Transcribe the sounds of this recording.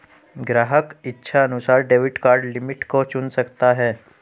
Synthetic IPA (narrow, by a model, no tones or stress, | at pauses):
ɡɾaɦəkitːɕʰaənusaɾɖeʋiʈkaɾɖlimiʈkot͡ɕuːnsəkt̪aɦɛ